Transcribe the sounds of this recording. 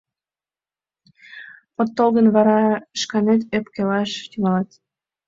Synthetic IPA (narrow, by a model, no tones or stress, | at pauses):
ot̪ːolɣənβɑɾɑʃkɑnet̪̬øpkelɑʃt̪yŋɑlɑt̪